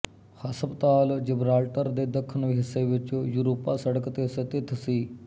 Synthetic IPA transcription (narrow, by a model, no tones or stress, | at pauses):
haːsəpt̪aːld͡ʒɪbɾaːlʈəɾd̪eːd̪əkʰːənʋiːɦɪsːeːʋɪt͡ʃjuːɾoːpaːsəɽəkt̪eːsət̪ɪt̪ʰsiː